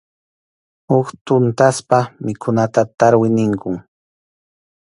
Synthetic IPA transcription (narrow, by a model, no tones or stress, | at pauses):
hʊkt̪ʊnt̪aspamɪkʰʊnat̪at̪aɾwɪnɪŋkʊŋ